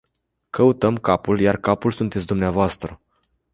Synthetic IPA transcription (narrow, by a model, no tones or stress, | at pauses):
kəut̪əmkapuljarkapulsunt̪e̞t̪sʲd̪umneavoast̪ɾə